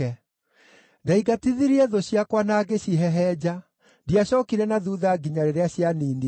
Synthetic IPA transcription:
ɛ | daiɡatiðiɾiɛðoɕjakwanaːɡeɕiɦɛɦɛd͡ʑa | diaɕɔːkiɾɛnaðuðaɡiɲaɾeɾeaɕjaniːni

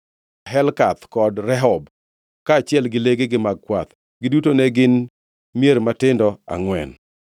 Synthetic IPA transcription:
ɦɛlkat̪kɔdɾɛɦɔb | kaːt͡ʃɪɛlɡɪleɡeɡɪmaɡ̚kwat̪ | ɡɪdutonɛɡɪn | mjeɾmatɪndɔa̰ŋwɛ̰n

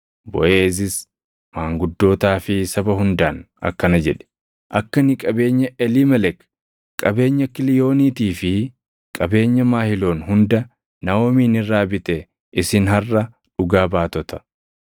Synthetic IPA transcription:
bɔ̰ʔeːs̬ɪs | maːŋɡʊd̪ːo̞ːt̪aːfɪsɐbɐɦʊnd̪aːn | ɐ̰kːɐnɐd͡ʒɛᶑɛ̥ | ʔɐkːɐnɪkʼɐbe̞ːɲːɐʔɛliːmɛlɛk | kʼɐbe̞ːɲːɐkɪlɪjo̞ːniːt̪iːfɪ | kʼɐbe̞ːɲːɐmaːhɪlo̞ːnɦʊnd̪ɐ | nɐwoːmiːnɪrːaːbɪt̪ɛ | ʔɪsɪnɦɐrːɐ | ᶑʊɡaːbaːt̪ɔt̪ɐ̥

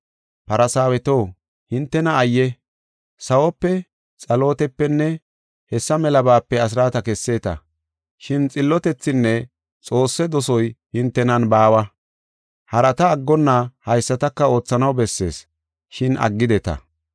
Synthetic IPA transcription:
pɐɾɐsaːwɛt̪o̞ː | hɪnt̪ːɛnɐːjːɛ | sɐwɔpːɛ | t͡sʼɐlo̞ːt̪ɛpːɛnːɛ | hɛsːɐmɛlɐbaːpːɛɐs̬ɾaːt̪ɐkɛsːe̞ːt̪ɐ̰ | ʃɪnt͡sʼɪlːɔt̪ɛt͡sːɪnːɛ | t͡sʼo̞ːsːɛd̪ɔsɔjhɪnt̪ːɛnɐnbaːwɐ | hɐɾɐt̪ɐːɡːɔnːahɐjsːɐt̪ɐkːɐo̞ːt͡sːɐnɐwbɛsːe̞̰ːs | ʃɪnɐ̰ɡːɪd̪ɛt̪ɐ̰

